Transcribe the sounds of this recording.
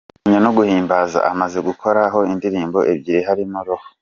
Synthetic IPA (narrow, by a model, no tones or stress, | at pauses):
ɲanoɡuhiːmbaza̰ʔamaze̞ɡukʰo̞ɾaɦo̞indiɾiːmbo̞̰ʔebɟiɾiɦaɾimuɾoho